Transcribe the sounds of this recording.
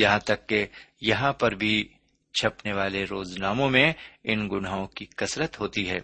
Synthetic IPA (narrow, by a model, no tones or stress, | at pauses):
jɐɦãt̪ɐkːejɐɦãpɐɾbʱi | t͡ʃʰɐpneʋaːleɾoːznaːmõmẽɪnɡʊnaːõkikɐsɾət̪ɦoːt̪iɦɛ̰ː